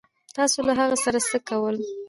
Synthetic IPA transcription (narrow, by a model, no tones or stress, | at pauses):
t̪ɑsolaɦaɣasaɾasəkawəl